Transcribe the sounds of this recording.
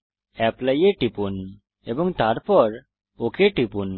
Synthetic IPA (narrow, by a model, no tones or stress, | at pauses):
ɛpləjeʈipun | ebɔŋt̪aɾpɔɾ | okʰeʈipun